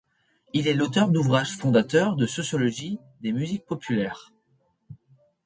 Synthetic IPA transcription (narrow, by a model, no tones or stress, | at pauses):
ilɛlot̪œʁd̪uvʁaʒfɔ̃d̪at̪œʁd̪əsɔsjɔlɔʒi | d̪emyzik̚pɔpylɛːʁ